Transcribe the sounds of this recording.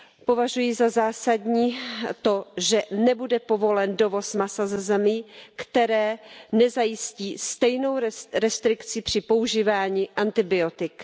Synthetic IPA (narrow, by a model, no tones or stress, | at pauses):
po̞vaʒujizazaːsadɲiːt̪o̞ʒɛnɛbudɛpo̞vo̞lɛndo̞vo̞smasazɛzɛmikt̪ɛɾɛːnɛzajɪsciːst̪ɛjno̞wɾɛst̪ɾɪkt͡sɪpr̝̥ɪpo̞uʒiːvaːɲiːʔant̪ɪbɪo̞t̪ɪk